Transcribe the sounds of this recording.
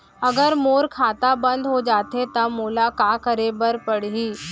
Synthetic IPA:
əɡəɾmoːɾkʰat̪abənd̪ɦod͡ʒaːt̪et̪əmolakakəɾebəɾpəɽɦiː

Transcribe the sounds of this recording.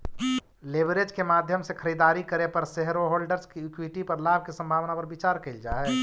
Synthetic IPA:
lebɾed͡ʒkemaːd̪ʱjəmsekʰəɾid̪aːɾikəɾepəɾseɦɾoɦoːlɖəɾskikwiʈipəɾlaːb̚ʱkesə̃mbʱaːʋnapəɾbit͡ʃaːɾkeɪld͡ʒaːɛ

